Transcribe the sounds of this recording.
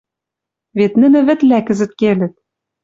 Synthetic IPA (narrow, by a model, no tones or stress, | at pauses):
vet̪nɘ̆nɘ̆βɘ̆t̪lækɘ̆zɘ̆t̪̚kelʲɘ̆t̪̚